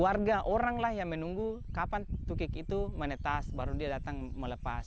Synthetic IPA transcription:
uwarɡaʔoɾaŋlahjaŋmənuŋɡukapant̪ukɪkit̪umənət̪asbaɾudiadat̪aŋmələpas

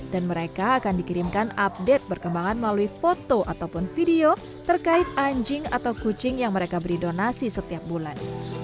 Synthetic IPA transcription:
d̥anməɾekaːkandikiɾimkanap̚dɛt̪̚pərkəmbaŋanməlaluifot̪oʔat̪awpʊnfideo | t̪ərkaɪt̪̚aɲd͡ʒɪŋa̰t̪awkut͡ʃɪŋjaŋməɾekabəɾidonasisət̪iap̚bulan

